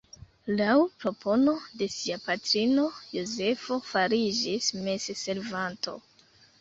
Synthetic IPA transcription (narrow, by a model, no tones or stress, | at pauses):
lawpɾo̞pʰo̞node̞siapatɾino̞jo̞ze̞fo̞faɾid͡ʒisme̞zese̞ɾvanto̞̰